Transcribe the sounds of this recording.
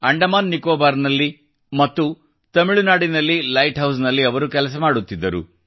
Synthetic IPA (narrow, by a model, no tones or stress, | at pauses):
ɐɳɖɐmaːnːikoːbaːɾnɐlːi | mɐt̪ːu | t̪ɐmiɭunaːɽinɐlːilɐjʈɦɐws̬nɐlːiɐʋɐɾukɛlɐs̬ɐmaːɽut̪ːid̪ːɐɾṵ